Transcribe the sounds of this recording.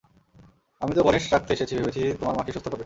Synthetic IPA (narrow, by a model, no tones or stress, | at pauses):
amit̪obɔneʃɾak̚t̪eeʃet͡ɕʰibibet͡ɕʰit̪omaɾmakʰiʃot̪ʰːopoɾbe